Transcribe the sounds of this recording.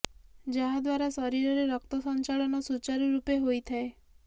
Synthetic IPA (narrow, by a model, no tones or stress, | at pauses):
d͡ʒaɦad̪waɾasɔɾiɾɔɾeɾɔkt̪ɔsɔnt͡ʃaɭɔnɔsut͡ʃaɾiɾupeɦojt̪ʰae